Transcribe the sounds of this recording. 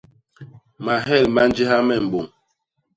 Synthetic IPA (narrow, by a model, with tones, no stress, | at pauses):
ma˨ɦɛ˦˨lma˦n̩˦d͡ʒi˦ɦa˦mɛ˦˨m̩˨bo˨ŋ